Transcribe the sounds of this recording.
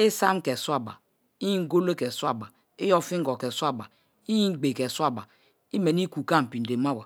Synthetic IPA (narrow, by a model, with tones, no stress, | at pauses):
e˦sa˦m˦kɛ˨swa˦ba̰˨ | i˦i˦ŋ˦ɡo˦le˦kɛ˨swa˦ba˨ | i˦jɔ˦fi˦ŋ˦ɡɔ˨kɛ˨su˦a˦ba˨ | i˦ji˦ɡ͡be˨kɛ˨sa˦˨ba˨ | i˦me˨ni˦ku˨ka˦˨m̩˨pi˨n˨de˨ma˦˨wa˨